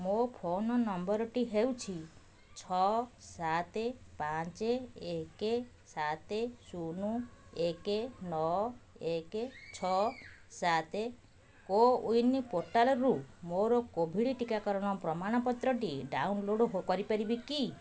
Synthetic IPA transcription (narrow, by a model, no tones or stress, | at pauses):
mopʰonɔnɔmbɔɾɔʈiɦewt͡ʃʰi | t͡ʃʰɔsat̪epat͡ʃeːke | sat̪esunuekenɔ | eket͡ʃʰɔsat̪e | koujnipoɾʈalɔɾumoɾɔkobʱiɽiʈikakɔɾɔɽ̃ɔpɾɔmaɽ̃ɔpɔt̪ɾɔʈ̬iɖa̰wnloɽɔɦokɔɾipaɾibiki